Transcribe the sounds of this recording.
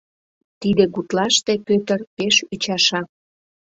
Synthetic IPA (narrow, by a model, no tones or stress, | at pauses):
t̪id̪eɣut̪lɑʃt̪ekøt̪ərpeʃyt͡ɕɑʃɑk̚